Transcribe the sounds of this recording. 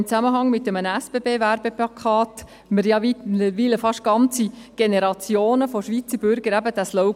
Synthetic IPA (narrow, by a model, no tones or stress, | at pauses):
mt͡sæməɦɑŋmɪtːəmənəæsb̥ebeːvæɾb̥eplɑkʰɑːt | məɾjɑiʋiləfɑʃtɡ̥ɑnt͡siɡ̥enɛɾɑt͡sjoːnəfoʃʋit͡səɾb̥ʏɾɡəɾæbəd̥æːsloʊ